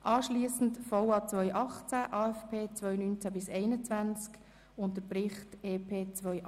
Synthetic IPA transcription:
ʔɑːʃliːəsn̩tfɔwɑːt͡svœʏʔɑχt͡sæʔɑːɛfpʰeːt͡svœʏnynt͡sæbɪsɛɪnət͡svænt͡sk | ʊnt̬əpɾɪχteːpʰeːt͡sʋœʏ

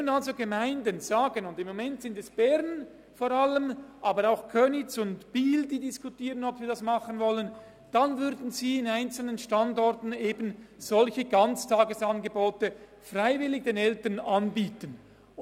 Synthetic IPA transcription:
ənalzoɡəmaɪndənz̥aːɡənʊndɪmːomɛntsɪndɛsb̥ɛɾn | foːɾaləmʔaːbəɾaʊxkʰœnɪt͡sʊndb̥iːldiːdiskutiːʁənɔpv̥iːɾdasmɑχənvɔlən | d̥anvʏɾdn̩ziːɪnaɪnt͡sl̩nənʃtandɔrtn̩eːbən̩z̥ɔlçəɡɑnt͡stʰaːɡəsɑnɡəboːtə | fraɪvɪlːɪɡ̚d̥eːnɛltənanbiːtən

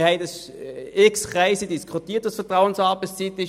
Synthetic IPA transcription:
hɛɪdɑs | ɪksχaɪsədiskʰχutiːɐtʋɑsfəɐtʁaʊənsɑːbəst͡sit̪ɪʃ

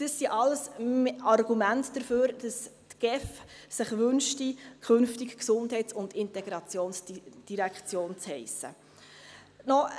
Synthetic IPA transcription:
d̥əsːiʔɑləsɑrɡ̥umæntd̥əɾføːɾd̥əstɡ̥ɛf | sɪχʋɵnʃtikʰɵnftikksʊndhɛɪtt͡sʊndɪntɛɡɾɑt͡sjoːnsd̥iɾækt͡sjoːnt͡shɛɪsə | nɔ

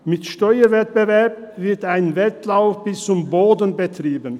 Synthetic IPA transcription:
mɪtʃtɔʏəvɛt̚b̥əvɛɐp̚ | v̥ɪɐtaɪnvɛtlaʊfb̥ɪst͡sʊmboːdən̩bətʁ̥iːbən

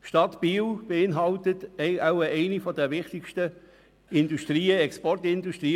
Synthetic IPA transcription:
ʃtɑtb̥iːwb̥eɪnɦɑltətɛaʊəɛɪnifɔdɛɾʋɪχtɪkʃtə | ɪnduʃtriːəɛkspɔrtɪnduʃtʁiː

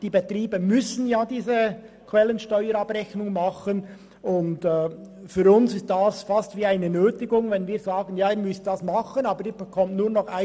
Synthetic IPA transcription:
d̥iːbetriːbəmʏsən̩jaːdiːzə | kʰvɛlənʃtɔʏəɾɑbrɛçnʊŋmɑχən | ʊntɛː | fyːɾʊnsɪst̚d̥asfastv̥iːaɪnənøːtɪɡʊŋvɛnviːɾzaːɡənjaːiːɾmʏstd̥ɑsmɑχənɑːbəɾiːbɛkʰɔmtnuːɐnɔχaɪ

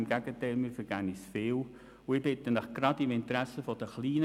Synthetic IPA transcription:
mɡɛɡ̥ətɛɪlmɪːfəɾɡ̥ænisfɪːl | ʊɪbɪtənəχɡ̥rɑdɪmɪntɾæsəfɔd̥əχliːn

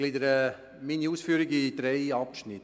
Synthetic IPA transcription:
lidəɾə | miniuːsfyːɾɪɡid̥̪ɾɛɪɑpʃnɪt

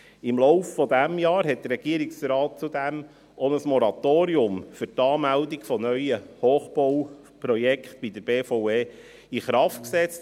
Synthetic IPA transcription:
ɪmlɔʊffɔd̪æmjɑːɾɦɛt̚d̥̪ərɾɛɡ̥iəɾiksɾɑːt̚t͡sud̪æm | onəsmɔɾɑt̪oːɾiʊmfʏɾtɑːmældiɡfɔnœʏjəhoːχb̥ɔw | pɾɔjɛkχt̪̚b̥id̪əɾb̥eːfoʊeː | iχɾɑftksɛt͡st

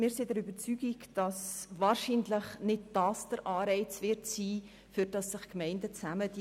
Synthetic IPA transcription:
mɪːɾsidɛɾybəɾt͡syːɡ̥iɡd̥ɑsvɑːɾʃiːnləχnɪd̚d̥ɑːsd̥əɾʔɑːɾɛɪt͡svɪɾtsiː | fʏɾd̥ɑsːɪχkmɛɪndət͡sæməd̥

